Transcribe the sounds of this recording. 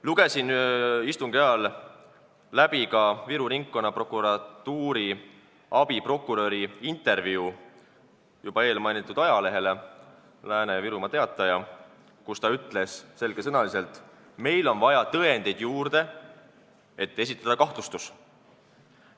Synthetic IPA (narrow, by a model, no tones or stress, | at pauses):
luɡ̥e̞sinist̪uŋɡ̥eɑlː | æb̥ikɑviɾuɾiŋkːo̞nːɑpro̞kːuɾɑt̪ːuːɾi | ɑb̥ipro̞kːˑuɾø̞ɾiint̪ˑe̞ɾviu | jub̥ɑe̞ːlmɑjnit̪ːˑud̪̥ɑjɑle̞ɦe̞le̞ | læːne̞viɾumɑt̪e̞ɑt̪ːˑɑjɑ | kust̪ɑyt̪ːˑle̞sse̞lɡ̥e̞sɤnɑlise̞lt̪ˑ | me̞jlo̞nvɑjɑt̪ɤend̪e̞jd̪̥juːrd̪̥e̞ | e̞t̪ˑːe̞s̬it̪ːˑɑd̪ɑkɑht̪lust̪us